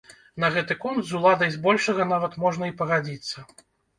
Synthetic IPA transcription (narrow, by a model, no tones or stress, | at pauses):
nɐɣɛt̪ɨkunt̪zulˠad̪ɐjzbɔlʲʂɐɣɐn̪avɐt̪mɔʐnɐipɐɣad͡zʲit̪sːɐ